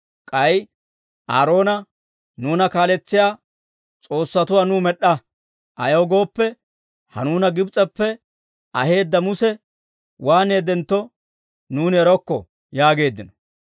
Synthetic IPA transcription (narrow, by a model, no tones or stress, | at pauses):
kʼɐj | ʔaːɾo̞ːnɐ | nuːnɐkaːlɛt͡sːɪjaː | t͡sʼo̞ːsːɐt̪ʊwaːnumɛɗːɐ | ʔɐ̰jɐwɡo̞ːpːɛ | hɐ̰nuːnɐɡɪbt͡sʼɛpːɛ | ʔɐ̰he̞ːd̪ːɐmʊsɛ | waːneːd̪ɛnt̪ːɔ | nuːnɛɾɔkːɔ̰ | jaːɡe̞ːd̪ːɪnɔ̥